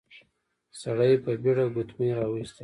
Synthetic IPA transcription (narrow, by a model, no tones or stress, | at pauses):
saɽajpəbiɽaɡut̪meɾɑwist̪e